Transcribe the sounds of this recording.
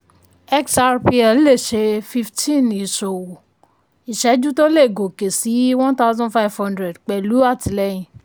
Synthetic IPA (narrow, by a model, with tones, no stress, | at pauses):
ɛ˦ksa˧ɾpi˧a˧˦le˦˨ʃe˧fi˦˧ftʰĩ˦˨ni˨so˨wo˨ | i˨ʃɛ˨˦d͡ʒũ˦to˦le˦˨ɡo˨ke˨si˨˦wɔ̃˦nta˦ʊzɔ̃˦nfa˦i˨vhɔ̃˦ndɾɛ˨dk͡pɛ˨lu˨˦a˦˨ti˨lɛ˦jĩ˨